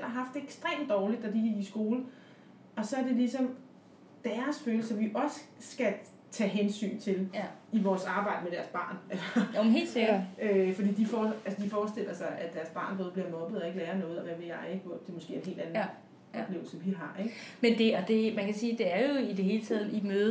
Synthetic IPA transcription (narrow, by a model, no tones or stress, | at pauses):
enɑ̈ɦɑ̈fd̥e̝eɡ̥sd̥ʁḛːmd̥ɒːlid̥ɒd̥iɡiɡ̥isɡ̥o̝ːlə | ɒ̽sɒ̽æɐd̥e̝lisɒ̽m | d̥æɐsføːləsɒ̽mʋiʔɒ̽sə̥sɡ̥æ | t͡sʰɛ̰ːɦensy̰ːnt͡sʰe̝liʋɒːsɑ̈ːb̥ɑ̈ɪ̰d̥əmeɾ̥æɐsb̥ɑ̰̈ːnælsɒmnɦe̝̰ːlseɡ̥ɐøfɒd̥ḭːd̥ifɒːælsəd̥ifɒːsd̥e̝l̰ɐsɑ̈ɪʔæd̥æɐsb̥ɑ̈ːnb̥oːð̩ˠbliɐmɒ̽b̥ð̩ˠɒ̽e̝ɡ̥lɛːɐnɔ̽ːð̞̩ˠɒ̽ʋæʋeɑeɡ̥ʋɒd̥e̝mɔsɡ̥e̝̰ːɐenɦe̝̰ːld̥æn | ɒ̽b̥le̝ʊl̩sɒmʋiɦɑ̈eɡ̥mend̥e̝ɒd̥e̝mænkʰæsiːd̥e̝æɐjo̝id̥e̝ɦe̝ːlət͡sʰɛ̰ːð̰ˠimøːðˠ